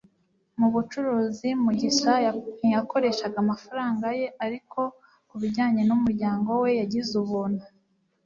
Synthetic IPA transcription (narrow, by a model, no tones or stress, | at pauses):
muβut͡ʃuɾuːzimuɟiʃajako̞ɾe̞ʃaɡamafaɾaːŋɡaje̞aɾikʰo̞ | kuβiɾɟaːɲe̞numuɾɟaːŋɡo̞we̞jaɟizuβuna